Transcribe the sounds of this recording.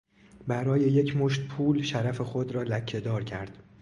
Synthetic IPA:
bæɾɒːje̞je̞cʰmoʃt̪̚pʰuːlʃæɾæfe̞xod̪ɾɒːlæcʰːe̞d̪ɒːɾcʰæ̰ɾd̪̥

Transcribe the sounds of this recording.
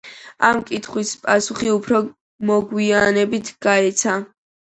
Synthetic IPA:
amkʼit̪ʰχwispʼasuχiupʰɾɔ | mɔɡwianɛbit̪ʰɡ̥aɛt̪sʰa

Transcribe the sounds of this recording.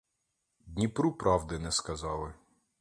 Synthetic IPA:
d̪ʲnʲipɾupɾʔɑwd̪ɪnɛskɐzɑlˠɪ

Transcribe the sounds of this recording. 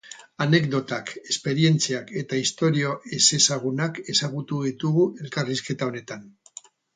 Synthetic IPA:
ane̞k̚d̪o̞t̪ake̞spe̞ɾie̞nt͡siake̞t̪aist̪o̞ɾio̞ʔe̞se̞saɣ̞unake̞saɣut̪uðit̪uɣuʔe̞lkariske̞t̪ao̞ne̞t̪an

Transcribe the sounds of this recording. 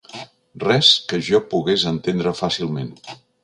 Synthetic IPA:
rɛskəʒɔpuɣezənt̪end̪ɾəfasilˠmen

